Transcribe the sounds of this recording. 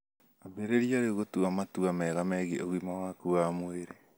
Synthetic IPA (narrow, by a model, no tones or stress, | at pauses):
abeɾeɾiaɾeoɣotuamatuamɛɣamɛɣiʔoɣimawakuamweɾe